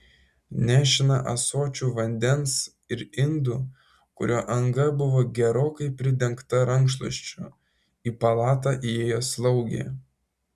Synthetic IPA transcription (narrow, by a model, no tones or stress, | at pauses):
nʲæːʃʲɪnɐʔɐ̰soːt͡ʃʲuːʋɐnʲd̪ʲɛns | ɪɾɪnd̪u | kʊɾʲoːʔɐŋɡɐbʊʋoːɡʲɛɾoːkɐɪpʲɾʲɪd̪ʲɛŋkt̪ɐɾɐŋkʃlˠo̰ʃʲt͡ʃʲu | iːpɐlˠɑːt̪ɑʔieːjoːslˠɒʊɡʲḛː